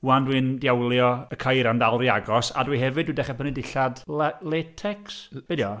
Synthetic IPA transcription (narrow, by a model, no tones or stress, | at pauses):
wandwindjawlˠjɔəkʰajɾandalˠriaɡɔsa̰dwiɦɛvɨdwidɛχɛpʰənidɪɬadlletʰɛksb̥edjɔ